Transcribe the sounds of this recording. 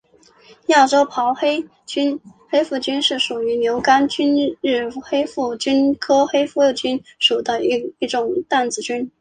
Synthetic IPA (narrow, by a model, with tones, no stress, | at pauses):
ja˥˩ʈ͡ʂo˥ʊpʰɑ˧˥ʊxe˥ɪ | t͡ɕy˥nxe˥ɪfu˥˩t͡ɕy˥nʂɻ̩˥˩ʂu˨˩y˧˥njo˧˥ʊka˥nt͡ɕy˥nɻ̩˥˩xe˥ɪfu˥˩t͡ɕy˥nkʰɤ˥xe˥ɪfu˥˧t͡ɕy˥nʂu˨˩d̪ə˦˧i˥˩ʈ͡ʂʊ˨˩ŋt̪a˥˩nt͡sɹ̩˨˩t͡ɕy˥n